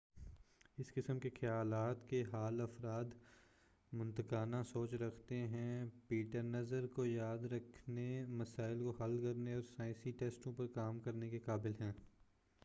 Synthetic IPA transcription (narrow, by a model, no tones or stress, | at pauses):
ɪskɪsəmkexɐjaːlaːt̪keɦaːlɐfɾaːd̪ | mʊ̃nt̪əkaːnasoːt͡ʃɾɐkʰt̪eɦɛ̃piːʈəɾnɐzəɾkojaːd̪ɾɐkʰnemɐsaːɪlkoɦɐlkɐɾneɔːɾsãːsiʈeːsʈõpɐɾkaːmkɐɾnekekaːbɪlɦɛ̃ː